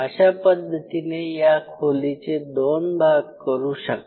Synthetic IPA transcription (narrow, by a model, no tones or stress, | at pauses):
əɕapəd̪ʱːət̪inejakʰolit͡sed̪onbʱaɡkəɾuːɕək̪